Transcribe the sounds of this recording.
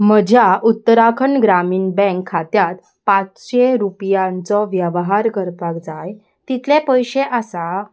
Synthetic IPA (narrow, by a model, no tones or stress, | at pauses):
məd͡ʑʱjaʔut̪ːəɾakʰəɳɡɾamiːnbɛ̃ŋkʰːat̪jat̪ | pat͡sɕeɾupjãnt͡sɔʋjəʋɦaɾkəɾpakd͡zaj | t̪it̪ʰlẽpəjɕeʔasa